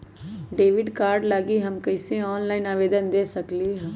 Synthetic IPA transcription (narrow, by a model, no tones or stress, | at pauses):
ɖeːʋɪɖkaːɾɖlaːɡiɦɐmkɐɪseɔːnlaːɪnaːʋeːd̪ənd̪eːsɐkliɦɛ̃ː